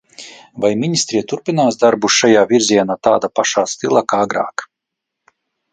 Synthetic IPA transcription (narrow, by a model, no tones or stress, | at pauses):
vajminʲist̪ɾiɛt̪uɾpʲinaːsd̪aɾbuʃʃajaːvʲiɾziɛnaːt̪aːd̪apaʃaːst̪ilˠakaɡɾa̰ːk